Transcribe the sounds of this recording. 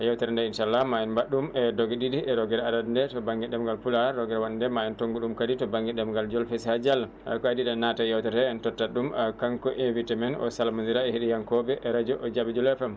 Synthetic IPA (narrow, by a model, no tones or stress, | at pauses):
ajawtɛɾɛndɛinʃaalːamajɛnbaɗːumɛdoɡiɗiɗiʔɛɾɔɡɛɾadadndɛtɔbaŋɡɛɗɛmɡalpulaɾːɔɡɛɾwaɗindɛmajɛntoŋɡuɗumkaditɔbaŋɡɛɗɛmɡald͡ʒɔlfeshad͡ʒal | a̰kɔadiɗɛnatajawtɛɾɛɛntɔtːaɗumakaŋkɔʔinvitamɛnɔ̰salamanziɾaɛhiɗijaŋkɔbɛʔɛɾad͡ʒɔʔɔd͡ʒabid͡ʒulɛfɛm